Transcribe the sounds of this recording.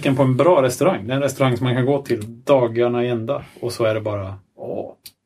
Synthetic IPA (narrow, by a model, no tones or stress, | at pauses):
kːənpʰɔɛnbɾɑːɾɛst̪ɵɾaŋːd̪ɛɛɾɛnɾɛst̪ɵɾaŋːsɔmːankʰanɡoːt̪ʰɪld̪ɑːɡaɳaɛnd̪a̰ɔsɔæɖɛbɑːɾa | ɔ̰ː